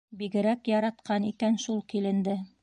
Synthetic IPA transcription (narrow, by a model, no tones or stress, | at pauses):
biɡɘ̆ɾækjɑɾɑt̪qɑnikænʃulˠkilɘ̆nd̪ɘ